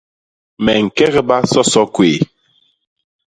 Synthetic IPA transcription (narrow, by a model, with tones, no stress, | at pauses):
mɛ˨ŋ̩˨kɛ˦ɣɛ˦ba˦sɔ˦sɔ˦kweː˨